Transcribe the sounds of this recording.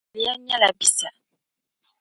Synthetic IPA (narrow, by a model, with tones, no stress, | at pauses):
li˦a˦ɲã˦la˨bi˨sa˨